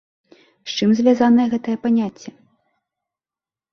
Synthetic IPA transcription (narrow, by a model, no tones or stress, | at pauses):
ʃt͡ʂɨmzʲvʲjazanɐjɛɣɛt̪ɐjɛpanʲat͡sʲːɐ